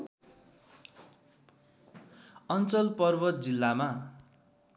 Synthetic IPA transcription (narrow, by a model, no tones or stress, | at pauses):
ʌnt͡sʌlpʌrbʌt̪̚d͡zilːama